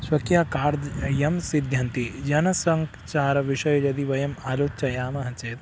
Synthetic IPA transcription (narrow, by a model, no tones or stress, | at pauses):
sʋɐkjaːkaːɾd̪jɐmsid̪ʱjɐnt̪id͡ʒɐnɐsɐŋk | t͡ʃaːɾɐʋiʃɐjd͡ʒɐd̪iʋɐjɐmaːloːt͡ʃɐjaːmɐɦɐt͡ʃeːt̪